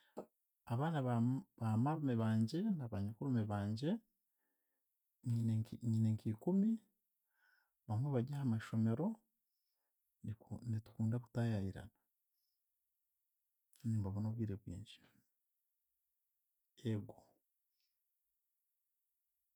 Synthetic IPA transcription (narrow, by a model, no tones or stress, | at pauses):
aβaːnaββamaɾumeβaːɲɟe̞naβaɲakuɾumeβaːɲɟe̞ | ɲiɲineŋkikumi | βamweβaɟahamaʃo̞me̞ɾo̞ | nitu̥kuːndakutajajiɾa̰na | ɲuːmbaβunoβwiːɾeβwḭːɲd͡ʒi̥ | eɡo